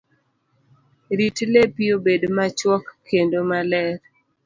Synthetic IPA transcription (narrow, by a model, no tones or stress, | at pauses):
ɾitlepiobedmat͡ʃwɔkʰːendomalɛɾ